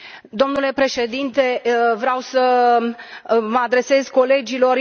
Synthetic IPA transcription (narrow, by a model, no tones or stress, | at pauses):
d̪o̞mnule̞pɾe̞ʃe̞d̪int̪e̞vɾawsə | məad̪ɾe̞se̞zko̞le̞d͡ʒilo̞ɾ